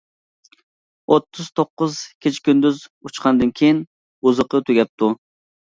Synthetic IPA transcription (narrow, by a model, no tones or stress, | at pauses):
ʔot̪ʰːɨz̥t̪ʰoqːʊz̥kʲʰet͡ʃʰkʲynd̪yzut͡ʃqʰɑnd̪ɨnkʲʰejin | uzəqʰət̪ʰyɡʲɛp̚t̪ʰu